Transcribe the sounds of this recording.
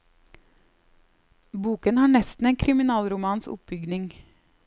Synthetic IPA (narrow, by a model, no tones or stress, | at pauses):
buːkənhɑːɳɛst̪n̩eːnkʰɾɪmɪnɑːlɾʊmɑːnsʊ̰p̚bʏɡnɪŋ